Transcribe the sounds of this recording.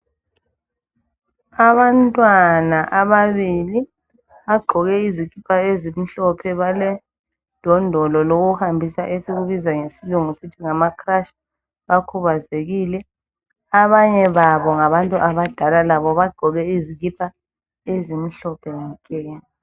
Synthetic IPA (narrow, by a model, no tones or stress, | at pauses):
aβantʼwanaʔaβaβili | βaɡ͡ǃʱɔɣɛiziɣipʰaezimiɬɔpʰɛβalɛ | d̥ʱɔndʱɔlɔloɣuhambʱisa̰ʔesiɣuβizaŋesiluŋusitʰiŋamakʰraʃḁ | βakʰuβazeɣiːlɛ | aβaɲɛβaβɔŋaβantʼuʔaβad̥ʱalalaβɔβaɡ͡ǃʱɔɣɛiziɣ̬ipʰa | ezimiɬɔpʰɛŋakʼɛːni